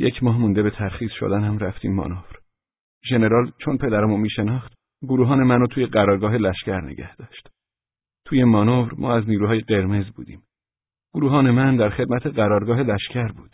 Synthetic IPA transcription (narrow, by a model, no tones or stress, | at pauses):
jecʰmɒːɦmund̪ebe̞t̪ʰæɾxiːz̥ʃo̰d̪ænhæmɾæft̪ḭːmːɒ̰novɾ | ʒe̞ne̞ɾɒːlt͡ʃʰonpʰe̞d̪æɾæmunmiːʃenɒːxt̪ | ɡoɾuːɦɒːnemænot̪ʰuːjeɢæɾɒːɾɡɒːɦelæʃcæɾnḛɟʲæ̰hd̪̥ɒːʃt̪ | t̪ʰuːjemɒːnovɾmɒ̰ːæzniːɾuːɦɒːjeɡe̞ɾme̞zbṵːd̪ḭːm | ɡ̥oɾuːɦɒːne̞mænd̪æɾχe̞d̪̚mæt̪ʰeɢæɾɒːɾɡɒːɦelæʃcʰæɾbuːd̪̥